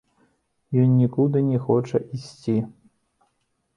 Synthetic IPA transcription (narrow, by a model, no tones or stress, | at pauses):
jɔnːʲikud̪ɨnʲɛxɔt͡ʂɐʔisʲt͡sʲi